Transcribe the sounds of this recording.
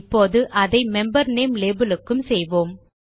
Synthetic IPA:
pːoːðɯʔɐðɐɪmɛmbɐɾneːmleːbɪlɯkːɯmsɛjʋoːm

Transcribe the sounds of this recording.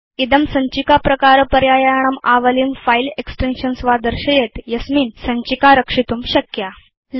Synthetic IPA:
id̪əmsəɲt͡ɕikapɾəkaɾəpəɾjajaɳ̃əmaʋəlimfaileksʈenɕənsʋad̪əɾɕəjet̪jəsmiːnsəɲt͡ɕikaɾəkʂit̪uːmɕəkja

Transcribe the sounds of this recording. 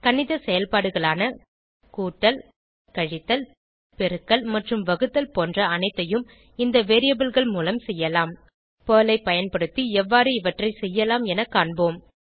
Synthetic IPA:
kɐnɪðɐsɛjɐlpaːɽɯɣɐɭaːnɐ | kuːʈːɐl | kɐɻɪt̪ːɐl | pɛɾɯkːɐlmɐʈrɯmʋɐɣɯt̪ːɐlpoːndrɐɐnɐɪt̪ːɐjɯm | ɪnd̪ɐʋeːɾɪjɐbɯlɣɐɭmuːlɐmsɛjːɐlaːm | poːlɐɪpːɐjɐnpɐɽɯt̪ːiɛʋːaːɾɯɪʋɐʈrɐɪsɛjːɐlaːmɛnɐkːaːɳboːm

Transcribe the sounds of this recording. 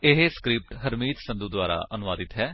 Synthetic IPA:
ɪɦeskɾɪp̚ʈɦəɾmiːt̪sə̃nd̪uːd̪ʊaːɾa̰ːʔənʊʋaːd̪ɪt̪ɦɛː

